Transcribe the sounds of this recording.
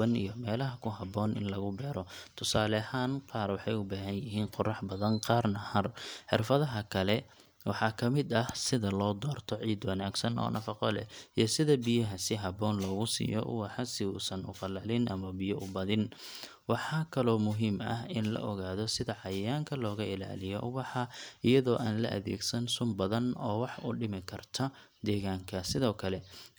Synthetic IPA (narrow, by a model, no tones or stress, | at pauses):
ɐnḭjɔmɛːlɐɦɐkʰʊɦɐbɔːnɪ̰nlɐɣʊbɛːɾɔt̪ʰʊsaːlɐhaːnqɑːrwɑħɑjʊbaːɦɐnjɪɦiːnqʊrɑħbɐðɐnqɑːrnɐhɐrħɪ̰rfɐðɐɦɐkʰɐlɛ | wɑħɑkʰɐmɪd̪ɐhsɪðɐlɔːd̪ɔːrt̪ʰɔʕiːd̪wɑnaːɡsɐnɔ̰ːnʔɐfɑqɔlɛ̰ijɔsɪðɐbijɐɦɐsɪɦɐbɔːnlɔːɣʊsḭːjɔ̰ʔʊ̰wɑħɑsɪuːsɐnʊ̰fɑlɐlɪnʔɐmɐbɪjɐʔʊbɐðɪn | wɑħɑːkʰɐlɔːmʊɦiːmɐ̰ɦɪnlɐ̰ʔɔɣaːðɔsɪðɐʕɑjɐjaːŋkʰɐlɔːɣɐɪla̰ːlɪjɔ̰wɑħɑɪjɐðɔːʔaːnlɐ̰ʔɐ̰ðɛ̰ːɡsɐnsʊmbɐðɐnɔːwɑħʊɖɪmɪkʰɐrt̪ʰɐd̪ɛːɣaːŋkʰɐsɪðɔːkʰɐlɛ